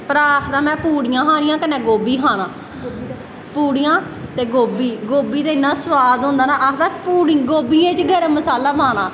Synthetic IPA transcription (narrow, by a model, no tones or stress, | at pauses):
pəɾaːkʰd̪ãːmɛ̃ːpuːɽijãːɦãːnɪ̃jãːkənẽːɡoːbiːkʰaːnãː | puːɽijãː | t̪eːɡoːbiːɡoːbiːt̪eːɪnːãːswaːd̪ɦʊ̃ːnd̪aːnaːʔaːkd̪aːpuːɽiɡoːbiːẽːt͡ʃɡəɾeːməsaːlaːbaːnãː